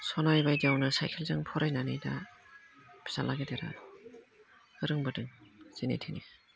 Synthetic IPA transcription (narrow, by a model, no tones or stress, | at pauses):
sɔnaɾjbajdiawnɯsajkʰelzɯŋpʰɔɾajnanɯjda | bʰi̥salʔaɡedeɾa̰ | ɯɾɯŋbɯdɯŋz̥inḛtʰini